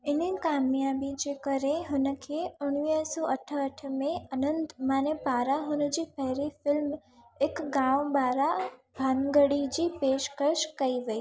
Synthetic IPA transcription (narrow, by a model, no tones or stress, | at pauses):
ɪnəkaːmjaːbid͡ʑeːkɐɾeɦʊnə̆kʰeːʊɽ̃ʋiɦsɔːʔɐʈʰəəʈ̆ʰmẽɐnə̃nd̪maːnepaːɾaɦʊnd͡ʑiːpɛɦɾifɪlm | ɪkɡãːʋbaːɾa | bʱaːnɡəɽid͡ʑiːpeːʃkəʃkɐiʋɐiː